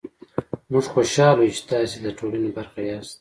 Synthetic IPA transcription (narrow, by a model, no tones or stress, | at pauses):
muʐxoʃɑːlout͡ʃe̥t̪ɑːsed̪əʈʰolanebaɾxajɑst̪̚